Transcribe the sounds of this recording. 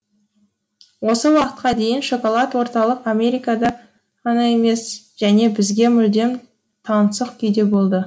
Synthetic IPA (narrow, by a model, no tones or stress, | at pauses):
wo̞səwɑqə̥t̪̚qɑd̪e̞jɪnʃo̞kolˠɑt̪wo̞ɾt̪ɑlˠəqame̞ɾijkɑd̪ɑ | qʰɑnɑe̞me̞s | ʒ̥æne̞bɪzɡʲe̞mʏld̪e̞m | t̪ʰɑnsəqkʲʰʏjd̪e̞bo̞lˠd̪ə